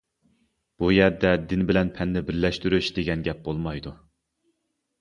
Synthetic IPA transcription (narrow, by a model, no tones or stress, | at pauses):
b̥ujɛɾd̪ɛd̪ɪnbɪlɛnpʰɛnːɪbɪɾlɛʃt̪yɾyʃd̪eɡʲɛnɡʲɛp̚bolˠmɑjd̪u